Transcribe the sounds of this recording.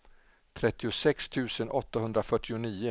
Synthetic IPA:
t̪ʰɾɛt̪ːɪʊsɛkst̪ʰʉ̟ːsənʔɔt̪ːaɦɵnd̪ɾafœʈːɪʊniːʊ

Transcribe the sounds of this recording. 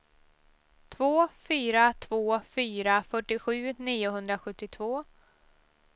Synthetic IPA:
t̪ʰvoːfyːɾat̪ʰvoːfyːɾafœʈːɪɧʉ̟ːniːʊɦɵnd̪ɾaɧɵt̪ːɪt̪ʰvoː

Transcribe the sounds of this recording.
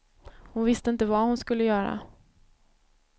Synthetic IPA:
hʊnvɪst̪əɪnt̪əvahʊnskɵlːəjœːɾa̰

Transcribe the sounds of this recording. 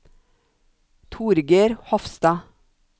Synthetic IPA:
t̪ʰuːɾɡeːɾhɔfst̪ɑː

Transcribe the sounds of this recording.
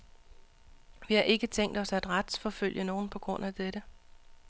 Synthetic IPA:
ʋihɑ̈ʔe̝ɡ̥ət͡sʰeŋ̰d̥ɒ̽sæd̥ʁad̥sfɒ̽føl̰jəno̝ːn̩pʰɒ̽ɡ̥ʁɔ̽n̰æd̥eɾ̥ə

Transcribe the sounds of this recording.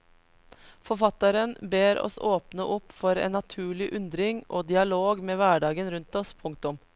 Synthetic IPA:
fɔfɑt̪ɑɾənbeːɾɔ̰soːpnəʔɔpːfɔɾḛːnːɑt̪ʰʉːɭɪʔʉnd̪ɾɪŋʔoːd̪ɪɑloːɡmeːʋæːɖɑːɡənɾʉnt̪ɔspʰʊŋt̪ʊm

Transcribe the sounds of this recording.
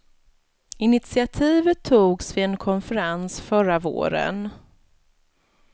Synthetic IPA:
ɪnɪt̪sɪat̪ʰiːvət̪ʰːuːɡsvɪɛnkʰɔnfəɾansfœɾavo̰ːɾə̰n

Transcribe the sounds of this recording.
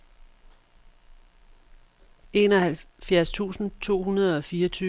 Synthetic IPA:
e̝ːnɒ̽hæl | fjæɐst͡sʰṵːsn̩t͡sʰo̝̰ːhunɐð̞̩ˠɒ̽fiːɐʌt͡sʰyː

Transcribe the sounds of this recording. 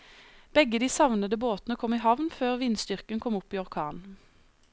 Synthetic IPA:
b̥ɛɡəd̪iːsɑʋnəd̪əboːt̪nəkʰɔmiːɦɑʋnføːʁʋinst̪ʏʁkənkʰɔmʊpiːɔʁkʰɑːn

